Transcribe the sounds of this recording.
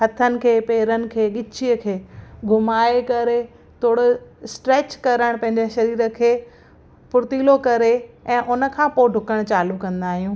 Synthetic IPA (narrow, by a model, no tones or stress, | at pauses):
ɦɐt̪ʰənɪ̆kʰeːpeːɾənɪ̆kʰeːɠɪt͡ɕʰiəkʰeːɡʱʊmaːekɐɾe | t̪ʰoːɽʊsʈɾeːt͡ɕkɐɾəɽ̃pɐ̃ɦɪ̃ɲd͡ʑeʃɐɾiːɾə̆kʰeː | pʊɾt̪iːlokɐɾeɛ̃ːʔʊnə̆kʰãːpoɖʱʊkəɽ̃t͡ɕaːlukɐ̃nd̪aːɦijũː